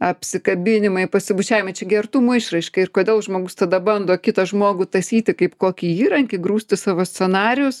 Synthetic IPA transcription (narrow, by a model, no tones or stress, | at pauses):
ɐpʲsʲɪkɐbʲɪnʲɪmɐɪpɐsʲɪbʊt͡ʃʲæːʋɪmɐɪt͡ʃʲɛɡʲɛrt̪umuɪʃrɐɪʃkɐɪrkoːd̪ʲeːlˠʒmoːɡʊst̪ɐd̪ɐbɐnd̪oːkʲɪt̪ɐʒmoːɡʊt̪ɐsʲiːt̪ʲɪkɐɪpkoːkʲiːiːɾɐŋʲkʲɪɡɾuːsʲt̪ʲɪsɑːʋoːsʲtt͡ssʲɛnɑːɾʲɪjʊs